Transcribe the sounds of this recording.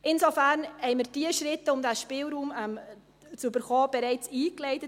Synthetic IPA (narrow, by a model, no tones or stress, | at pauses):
ʔɪnsofæɾnhɛɪmɪɾd̥iəʃɾɪtːəʊmdæʃpɪːlɾuːmɛm | t͡sybəɾχoːb̥ɛɾɛɪt͡siːklɛɪtə